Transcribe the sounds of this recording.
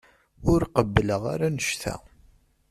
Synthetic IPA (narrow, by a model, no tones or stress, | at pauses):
ʊɾqəbːləʁa̰ɾanəʃθæ̰